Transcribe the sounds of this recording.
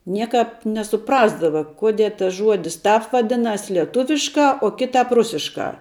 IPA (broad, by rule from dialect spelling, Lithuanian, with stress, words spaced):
ˈnʲiɛkɑːp nʲɛsʊˈprɑːzdɐʋɐ ˈkoːdʲiɛ tɐs ˈʒuɔdʲɪs ˈtɑːp ʋɐˈdʲɪnɐs lʲiɛˈtʊʋʲɪʃkɑː oː ˈkʲɪtɑːp ˈrʊsʲɪʃkɑː